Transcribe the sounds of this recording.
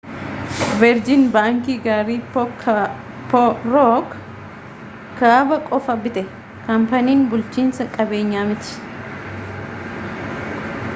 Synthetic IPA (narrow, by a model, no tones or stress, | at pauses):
bɛɾd͡ʒɪnbaːŋkiːɡaːɾiːpk | pɾɔk | kːaːbɐkʼɔfɐbɪt̪ɛ | kɐmpɐniːnbʊlt͡ʃiːnsɐkʼɐbe̞ːɲːaːmɪt͡ʃːɪ̥